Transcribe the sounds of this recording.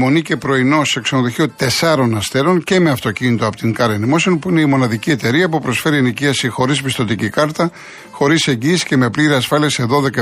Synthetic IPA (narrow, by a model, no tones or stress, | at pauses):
mo̞nice̞pɾo̞ino̞seksɐnoðo̞çio̞t̪e̞sɐɾo̞nɐst̪e̞ɾo̞nce̞me̞ɐft̪ocinit̪oɐpot̪iŋkɐɾenimo̞sionpuine̞imo̞nɐðicie̞t̪e̞ɾiɐpupɾo̞sfe̞ɾieniciɐsixo̞ɾispist̪o̞t̪icikɐɾt̪ɐ | xo̞ɾise̞ɲɟiːsi̥cemepliɾiɐsfɐliɐse̞ðo̞ðe̞kɐ